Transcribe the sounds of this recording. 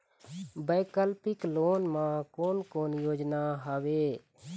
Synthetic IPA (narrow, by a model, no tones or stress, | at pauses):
bəːkəlpɪkloːnmãːkoːnkoːnjoːd͡ʒnaɦəʋeː